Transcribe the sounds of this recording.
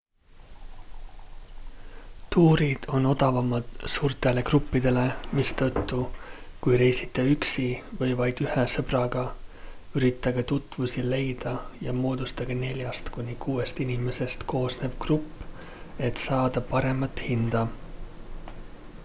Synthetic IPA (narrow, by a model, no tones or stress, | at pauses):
t̪uːɾid̪̥o̞no̞d̪̥ɑvɑmɑd̪̥suːrt̪ˑe̞le̞krupːid̪̥e̞le̞mist̪ɤt̪ːukujɾe̞jsit̪ːˑeyksivɤjvɑjd̪̥yhesɤb̥rɑɡ̥ɑ | yɾit̪ːˑɑɡ̥et̪ut̪ˑvusile̞jd̪̥ɑjɑmo̞ːd̪̥ust̪ɑɡ̥ene̞lʲjɑst̪kunʲikuːe̞st̪inime̞se̞st̪ko̞ːsne̞b̥krupˑː | e̞t̪sɑːd̪̥ɑpɑɾe̞mɑt̪hind̪̥ɑ